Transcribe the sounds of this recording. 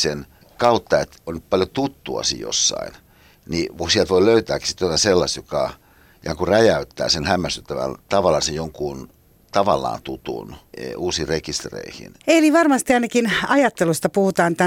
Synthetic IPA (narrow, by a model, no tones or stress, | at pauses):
sen | kɑut̪ːɑet̪onnytpɑljot̪ut̪ːuɑ̰sḭjjo̰sːɑ̰in | niusiælt̪ʋoiløyt̪æːki̥sit̪ːot̪ɑselːɑst̪jokɑ | iɑŋkuræjæyt̪ːæ̰ːsenhæmːæst̪yt̪ːæʋæ̰nt̪ɑʋɑlːɑsejjoŋkun | t̪ɑʋɑlːɑ̰ːnt̪ut̪ṵnuːsiːrekist̪rḛihḭneliʋɑrmɑst̪iɑinɑkinɑjɑt̪ːelust̪ɑpuhut̪ɑːnt̪æ